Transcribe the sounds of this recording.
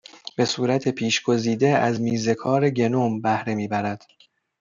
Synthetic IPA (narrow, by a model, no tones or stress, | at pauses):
b̥e̞suːɾæt̪ʰepʰiːʃɡo̞ziːd̪eæzmiːze̞kʰɒːɾeɟe̞nombæhɾe̞miːbæɾæd̪̥